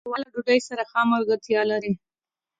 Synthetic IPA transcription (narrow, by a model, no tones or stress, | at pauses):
wɑlaɖuɖajsaɾaxɑmaɾɡaɾt̪jɑlaɾi